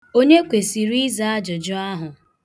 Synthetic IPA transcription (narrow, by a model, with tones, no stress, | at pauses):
o˦ɲe˦kʷe˨si˨ɾi˦za˦a˦d͡ʒʊ˨d͡ʒʊ˦a˦ɦʊ˨